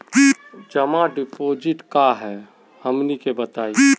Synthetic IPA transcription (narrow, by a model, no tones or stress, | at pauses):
d͡ʒəmãɖɪpoːd͡ʒɪʈkaɦɛ | həmnikebət̪aːi